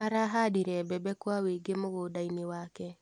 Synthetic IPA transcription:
aɾaɦadiɾɛbɛbɛkwaweɡemoɣodainewaːkɛ

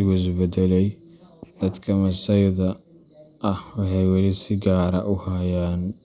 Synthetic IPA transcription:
ɪɣʊɪs̬bɛd̪ɛlɛjd̪̥ɐd̪kʰɐmɐsɐjðɐ | ʔːhwɑħɑjwɑlɪsɪɡaːɾɐʔʊhajaːn

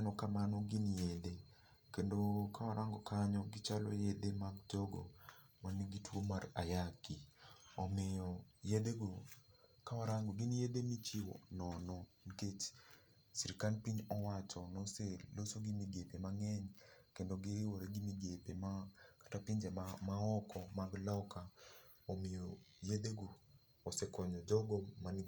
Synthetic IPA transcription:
nɔkamanɔɡinjede | kendokamaɾaŋɡɔkʰaɲɔɡɪt͡ʃalɔ̰jedemaɡ̚tɔɡo̰ | maniɡitwomarajakiɔmɪjɔjedeɡokawaɾaŋɡɔɡinjedemit͡ʃɪwɔ̰nɔnɔ | niket͡ʃ | siɾikanpiɲɔwat͡ʃɔnoselːosoɡimiɡepemaŋɛɲkendoɡɪwoɾeɡimiɡepemakḁtapiɲd͡ʒɛmmaɔkʰɔmaɡlɔkʰa | omɪjojedeɡoː | sekɔɲɔd͡ʒɔɡɔman

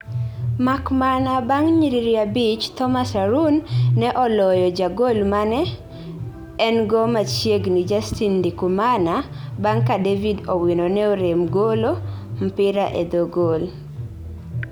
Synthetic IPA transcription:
makmanabaŋɲiɾiɾiabit͡ʃt̪ɔmasaɾunːɛʔɔlɔjɔd͡ʒaɡolmanɛ | ɛnɡɔmat͡ʃjeɡnid͡ʒastindikumana | baŋkadevidowinonɛoɾemɡolom̩pɪɾaʔḛd̪oɡol

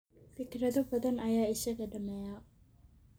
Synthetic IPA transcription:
fɪkɾɐðɐbɐðɐnɐjaːɪʃɐɣɐɖɐmɛːja

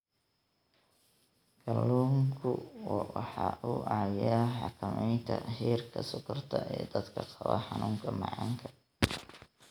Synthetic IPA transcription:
ɡ̥ʰɐlːuːŋkʰʊwwɑħɑʔʊʔɑjħɑkʰɐmɛjnt̪ʰɐhiːrkʰɐsʊkʰʊrt̪ʰɐʔɛːd̪ɐd̪kʰɐqɑβɐ̰ħɑnuːŋkʰɐmɑʕɑŋkʰɐ

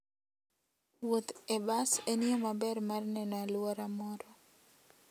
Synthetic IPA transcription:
wot̪ɛbaseniomabɛrmarnɛnalwoɾamɔɾɔ

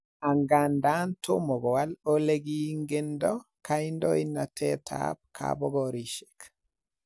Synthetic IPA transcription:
aŋɡandantʰomɔɡɔwaloleɡiŋɡendɔkajndɔinːatʰɛtʰa̰ːb̚kʰa̰bɔɡɔɾiʃe̥k

